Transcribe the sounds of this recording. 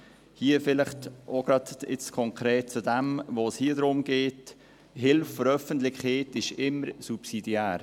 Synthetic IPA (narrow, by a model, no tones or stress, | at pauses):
hiːəfɪlɪχtʔoɡ̥ɾɑd̪ɪ̰t͡skʰɔŋkʰɾeːt̚t͡sudɛmvoːshiəd̪ɾʊmɡ̥eːt | hɪlffɔɾœfənt̪lɪçheːtɪʃɪmːəɾsupsidiæːɾ